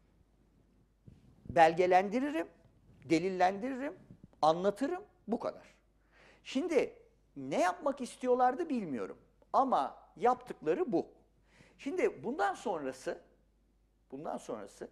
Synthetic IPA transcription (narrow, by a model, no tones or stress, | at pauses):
bælʲɟe̞lʲænd̪iɾiɾim | d̪e̞lʲilʲːænd̪iɾiɾimanlˠat̪ʰɯɾɯm | bukʰa̰d̪a̰ɾ̥ | ʃimd̪ɪ | nɛjapmakist̪ʰijo̞lˠaɾd̪ɯbilʲmijo̞̰ɾṵm | amajapt̪ʰɯklˠaɾɯbu | ʃimd̪ɪbund̪anso̞nɾasɯ | b̥und̪a̰nso̞̰nɾa̰sɯ